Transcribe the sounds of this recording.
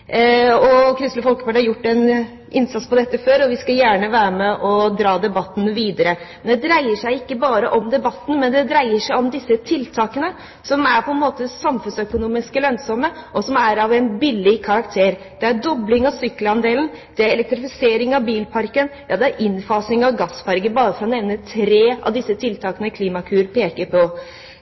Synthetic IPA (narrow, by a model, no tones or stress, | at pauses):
ɔkʰɾʏst̪ləfɔlkə̥fæɖhɑɾjʊʈːɛn | ʔɪnsɑt̪spɔd̪ɛt̪ːəføːɾɔʋɪskɑjæːɳəʋæːɾəmɛʔɔd̪ɾɑːd̪ɛbɑt̪ːn̩ʋiːd̪əɾəmɛnd̪ɛd̪ɾæɪəʂæɪɪkːəbɑːɾəʔɔmd̪ɛbɑt̪ːn̩mɛnd̪ɛd̪ɾæɪəʂæɪɔmd̪ɪsːət̪ʰɪlt̪ʰɑːkənə | sɔmæɾpʰɔɛnmoːt̪əsɑmfʉnsœkʊnuːmɪskəlœnsɔməʔɔsɔmæɾɑʋɛnbɪlːɪkʰɑɾɑkt̪ʰeːɾ | d̪̥ɛæɾd̪ɔblɪŋɑʋsʏkːlɑnd̪eːlnd̪̥ɛæɾɛlɛk̚t̪ɾɪfɪseːɾɪŋɑʋbiːlpʰɑɾkənjɑːd̪ɛæɾʔɪnfɑːsnɪŋɑʋɡɑsfɑɾɡəbɑːɾəfɾɑnɛʋnət̪ʰɾeːɑ̰ʋd̪ɪsːət̪ʰɪlt̪ʰɑːkənəkʰliːmɑkʰʉːɾpʰeːkəɾpʰɔ